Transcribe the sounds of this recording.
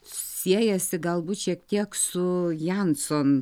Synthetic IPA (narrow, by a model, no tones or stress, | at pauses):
sʲiɛjɛsʲɪɡɐlˠbuːt̪ʃʲiɛk̚t̪ʲiɛksʊjænson